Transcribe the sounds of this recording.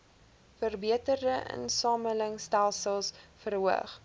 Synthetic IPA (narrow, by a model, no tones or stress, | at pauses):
fərbiətərdəʔə̰nsɑːmələŋstælˠsəlˠsfərɦuə̰χ